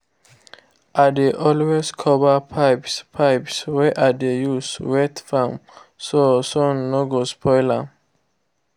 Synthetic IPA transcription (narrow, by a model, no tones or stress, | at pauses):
ʔadeʔɔlweskʰɔvəpʰaɪpspʰajpswɛʔadejuswɛtfɔ̃msosɔnoɡospʰɔɪlə